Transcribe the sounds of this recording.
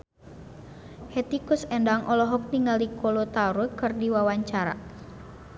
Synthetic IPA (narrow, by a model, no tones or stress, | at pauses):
het̪ikʊsɛndaŋʔɔlɔɦɔk̚niŋalikʰɔlot̪auɾukɨrdiwawaɲt͡ʃaɾa̰